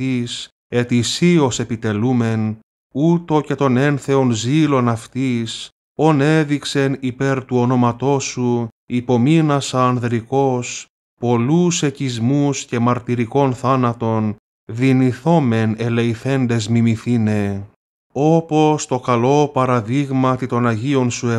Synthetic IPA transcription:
is | e̞t̪isio̞se̞pit̪e̞lume̞n | ut̪o̞ce̞t̪o̞ne̞nθe̞o̞nzilo̞nɐft̪is | o̞ne̞ðikse̞nipe̞ɾt̪uo̞no̞mɐt̪o̞su | ipo̞minɐsɐnðɾiko̞s | po̞luse̞cizmusce̞mɐɾt̪iɾiko̞nθɐnɐt̪o̞n | ðiniθo̞me̞ne̞leiθe̞nd̪e̞zmimiθine̞ | o̞po̞st̪o̞kɐlo̞pɐɾɐðiɣmɐt̪it̪o̞nɐʝio̞nsue

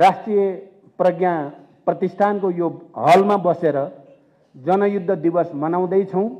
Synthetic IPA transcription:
rasʈrijʌ | prʌɡja | prʌt̪ist̪ʰankojoɦʌlmabʌseɾʌ | d͡zʌnʌjud̪ʱːʌd̪ibʌsmʌnaw̃d̪ʌjt͡sʰʌw̃

